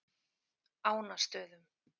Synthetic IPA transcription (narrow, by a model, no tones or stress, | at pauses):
aːwnast̪œːðʏm